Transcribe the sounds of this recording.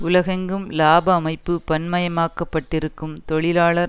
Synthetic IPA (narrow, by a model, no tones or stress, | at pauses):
ʊlɐɣɐŋɡɯmlaːbɐːmɐɪpːɯpɐnmɐjɐmaːkːɐpːɐʈːɪɾɯkːɯmt̪ɔɭɪlaːɭɐ